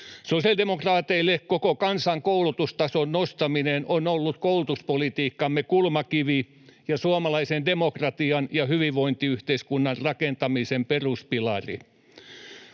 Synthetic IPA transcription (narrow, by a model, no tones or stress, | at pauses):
sosiɑldemokrɑːt̪eilːekkokokɑnsɑŋkoulut̪ust̪ɑsonnost̪ɑminenʔonolːut̪koulut̪uspolit̪iːkːɑmːekulmɑkiʋi | jɑsuɑmɑlɑisendemokrɑt̪iɑnjɑhyʋiʋʋoint̪iyht̪eiskunːɑrrɑkent̪ɑmisemperuspilɑrḭ